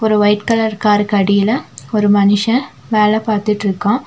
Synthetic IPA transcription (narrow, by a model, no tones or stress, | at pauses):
ɔɾɯʋɐɪʈkɐlɐɾkaːɾɯkɐɽɪjɪlɐɔɾɯmɐnɪʂɐ̃ | ʋeːlɐpaːɾt̪ɪʈːɪɾɯkːõː